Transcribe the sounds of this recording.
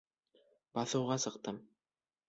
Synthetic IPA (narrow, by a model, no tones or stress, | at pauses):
b̥ɑθɤ̆wʁɑsɤ̆qt̪ɤm